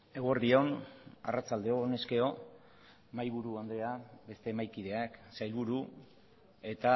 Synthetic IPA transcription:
e̞ɣo̞ɾðio̞na̰rat͡sald̪e̞one̞ske̞o̞ | majβuɾuand̪eabe̞st̪e̞ːmajkið̞e̞aksajlβuɾu | e̞t̪a

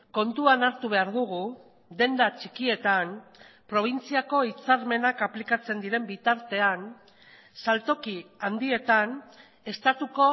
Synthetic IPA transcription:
ko̞nt̪uanaɾt̪uβe̞aɾðuɣu | d̪e̞nd̪at͡ʃikie̞t̪anpɾo̞β̞int͡siako̞it͡saɾme̞nakaplikat͡se̞nd̪iɾe̞mbit̪aɾt̪e̞an | salt̪o̞kiand̪ie̞t̪an | e̞st̪at̪uko̞

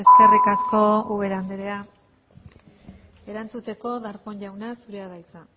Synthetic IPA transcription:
e̞ske̞rikasko̞uβe̞ɾand̪eɾe̞a | e̞ɾant͡sut̪e̞ko̞ðaɾpo̞ɲʎawnasuɾe̞aðajt͡sa

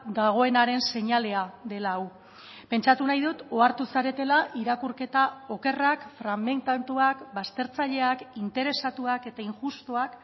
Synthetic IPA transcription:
d̪aɣ̞o̞e̞naɾe̞nse̞ɲale̞aðe̞law | pe̞nt͡ʃat̪unajðut̪o̞aɾt̪usaɾe̞t̪e̞laʔiɾakuɾke̞t̪ao̞ke̞rakfɾamːe̞nt̪ant̪uakbast̪e̞ɾt͡saʎe̞akint̪e̞ɾe̞sat̪uake̞t̪aiŋʝust̪uak

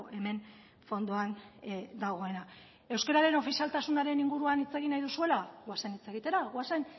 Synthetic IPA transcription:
e̞me̞n | fo̞nd̪uand̪aɣ̞o̞e̞na | e̞wske̞ɾaɾe̞no̞fisialt̪asunaɾe̞niŋɡuɾuanit͡se̞ɣ̞inajðusue̞laɣoasanit͡se̞ɣit̪e̞ɾaɣwasan

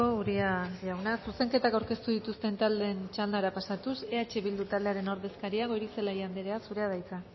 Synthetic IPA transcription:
ouɾiaʎawnasuse̞ŋke̞t̪akawɾke̞st̪uðit̪ust̪e̞nt̪ald̪e̞ːnt͡ʃald̪aɾapasat̪use̞at͡ʃe̞βild̪ut̪ald̪e̞aɾe̞no̞ɾðe̞skaɾiaɣo̞jɾise̞laijand̪eɾeasuɾe̞að̞ajt͡sa

